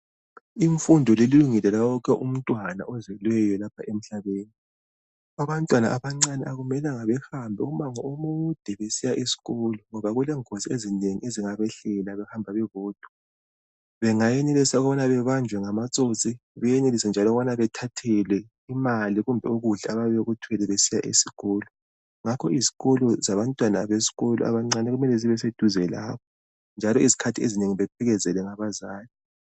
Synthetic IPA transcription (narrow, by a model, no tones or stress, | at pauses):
iɱfundʱɔleliluŋilɛlawɔk̬ʰɛʔum̩tʼwana̰ʔɔzwɛlwɛjɔlapʰaʔem̩ɬaβeːni | aβantʼwana̰ʔaβaŋ͡ǀanɛaɣumɛlaŋaβɛhambʱɛumaŋɔomud̥ʱɛβesijaʔesi̥ɣɔlɔŋɔβaɣulɛŋosiezineŋḭeziŋaβɛɬɛlaβɛhambʱaβɛβɔːd̥ʱwɔ̥ | βɛŋajenelisaɔɣβanaβɛβand͡ʒʱwɛŋamat͡sʼot͡sʼiβɛjenelisɛnd͡ʒʱalɔɣɔβanaβɛtʰatʰɛlɛ | imaliɣumbʱɛuɣuɮaaβaβeɣutʰwɛlɛβesija̰ʔesiɣɔːlɔ | ŋakʰɔizi̥ɣɔlɔzaβantʼwanaβesi̥ɣɔlɔ̰ʔa̰βaŋ͡ǀanɛɣumɛlɛziβɛs̬ed̥ʱuzɛla̰ːβɔ | nd͡ʒʱalɔizi̥kʰatʰiḛzineŋiβɛpʰɛɣɛzɛlɛŋaβazaːli